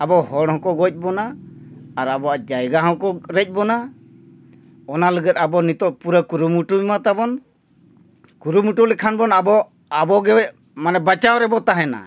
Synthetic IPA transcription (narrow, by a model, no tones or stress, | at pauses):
abɔhɔɽɦɔ̃kɔɡɔc̚ˀbɔnaː | ɾabɔaʔd͡ʒajɡaɦɔ̃kɔɾɛc̚ˀbɔna | ɔnaləɡət̪̚abɔnit̪ɔʔpuɾəkuɾumuʈuimat̪abɔn | kuɾumuʈulɛkʰanbɔnabɔ | abɔɡɛɛ | manɛbat͡ʃawɾɛbɔt̪aɦɛna̰